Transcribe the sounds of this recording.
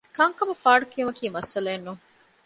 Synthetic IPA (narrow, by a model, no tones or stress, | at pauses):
kɐŋkɐbɐfaːɖukiumɐkiːmɐsɐleːnːuŋ